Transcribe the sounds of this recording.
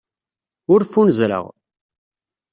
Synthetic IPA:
ʊɾfunəzɾə̰ʁ

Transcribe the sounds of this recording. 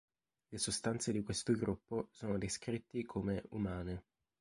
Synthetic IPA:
lesost̪ant̪sed̪ikwest̪oɡɾupːosoːnod̪eskɾit̪ːikʰomeumaːne

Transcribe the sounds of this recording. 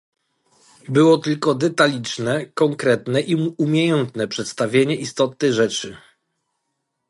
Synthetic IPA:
bɘwɔt̪ɘlkɔd̪ɛt̪alʲit͡ʂnɛkɔŋkɾɛt̪nɛʔiumʲjejɛnt̪nɛpʂɛt̪st̪avʲjeɲɛʔist̪ɔt̪̚nɛɣʐɛt͡ʂɘ

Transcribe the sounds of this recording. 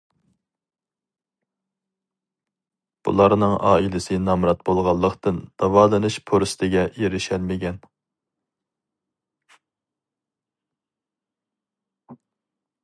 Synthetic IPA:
b̥ṵlˠɑɾnɨŋʔɑ̰ːilɪsɨnɑmɾɑt̪̚bolˠʁɑlˠːəqt̪ɨnd̪̥ɑwɑːlˠɨnɨʃpʰoɾst̪ʰɪɡʲɛjeɾɪʃælmɪɡʲɛn

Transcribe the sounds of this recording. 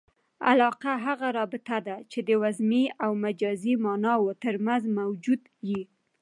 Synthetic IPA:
a̰lɑqaɦaɣaɾɑbɪt̪ad̪at͡ʃed̪əwazmiawmad͡ʒɑzimɑnɑwot̪əɾmanzmawd͡ʒud̪ji

